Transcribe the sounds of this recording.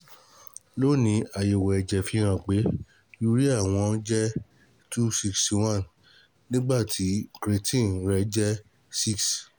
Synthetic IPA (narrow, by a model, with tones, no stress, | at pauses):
lo˦˨nĩ˧˦a˨je˨wɛ˨ɛ˨d͡ʒɛ˨fi˧˦ɾ̃ã˧˨k͡pe˨˦ | ju˦ɾi˦a˦˨w̃ɔ̃˧˦d͡ʒɛ˦ | tu˦si˦ksw̃ã˦˨n | nĩ˦ɡ͡ba˦˨tʰi˨˦kɾe˧tʰĩ˦˨˦ɾɛ˧d͡ʒɛ˦ | si˦˨ks